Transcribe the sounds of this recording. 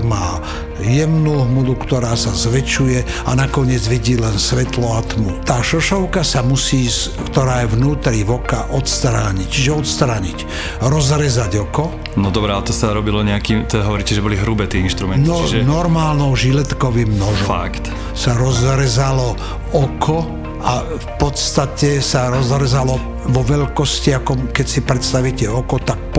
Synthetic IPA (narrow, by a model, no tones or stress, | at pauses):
maː | jɛmnuːɦmud̪ukt̪ɔɾaːsazʋɛt͡ʃujɛanakɔɲɪɛd͡zʋiɟiːlɛnsʋɛt̪lɔat̪mut̪aːʃɔʃɔʊkasamusiːs | kt̪ɔɾaːjɛvnuːt̪ɾiʋɔkaʔɔt̪st̪ɾaːɲict͡ʃiʒɛɔt̪st̪ɾaːɲic | ɾɔzɾɛzaɟɔkɔ | nɔd̪ɔbɾɛat̪ɔsaɾɔbilɔɲɛakiːmt̪ɛd̪aɦɔʋɔɾiːcɛʒɛbɔliɦɾubɛt̪iinʃt̪ɾumɛnnɔiʒnɔɾmaːlnɔʊʒilɛt̪kɔʋimnɔʒɔfa̰kt̪ | saɾɔzɾɛzalɔ | ɔkʰɔ | a | fpɔt̪st̪acɛsaɾɔzɦɾɛzalɔ | ʋɔʋɛʎkɔsciakɔmkɛcsipɾɛt̪st̪aʋicɛɔkɔt̪ak̚p